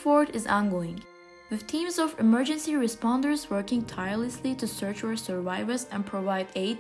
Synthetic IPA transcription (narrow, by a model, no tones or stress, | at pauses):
fɔɹɾɪzã̰nɡoɪ̃ŋ | wɨð̥t̪ʰĩːmzɔvɨmɜ˞d͡ʒɨ̃nsiɹɨspɑ̃ndə˞zwɜ˞kɪ̃ŋtʰaɪjəɹləsliɾusɜ˞t͡ʃəsə˞vaɪvə˞zɛ̃npʰɹ̥ovaɪdeɪ